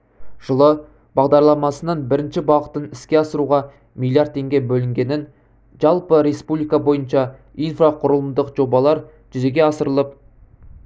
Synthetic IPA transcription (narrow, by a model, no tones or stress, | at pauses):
ʒ̥əlˠə | b̥ɑʁd̪ɑɾlˠɑmɑsənɑnbɪɾɪnʃɪbɑqə̥t̪ənɪskʲe̞ɑsəɾuʁɑ | milˠijaɾd̪̚ʰe̞ŋɡʲe̞bɵlɪŋɡʲe̞nɪn | ʒɑlˠpəɾe̞spublijkɑbo̞jənʃɑ | ijnfraqʰʊɾəlˠəmd̪əqʒ̥o̞bɑlˠɑɾ | ʒ̥ʏze̞ɡʲe̞ɑsəɾəlˠəp̚